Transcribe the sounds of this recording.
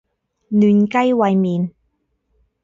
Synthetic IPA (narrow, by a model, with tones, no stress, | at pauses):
nyː˨˩nka˥jwɐ˧jmiː˨˧n